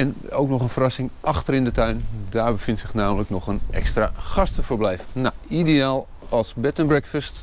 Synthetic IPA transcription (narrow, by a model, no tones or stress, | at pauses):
ɛn | owknɔχənfərɑsɪŋʔɑxtərɪndətœɥndaːɹbəfɪntsɪχnaːmələknɔχənɛ̰kstraːχɑstəfəɹblɛjfənaidejaːlˠ | ɑlˠsbɛtənbrɛkfəst